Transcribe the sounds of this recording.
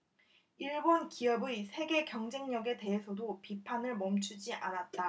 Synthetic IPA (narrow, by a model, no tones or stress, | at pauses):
iɭbʌnkiʌbɯisʰe̞ɡe̞kjʌŋd͡ʑe̞ŋɲʌɡe̞te̞ɦesʰʌdopipʰanɯɭmʌmt͡ɕʰud͡ʑiʔanat̚t͈a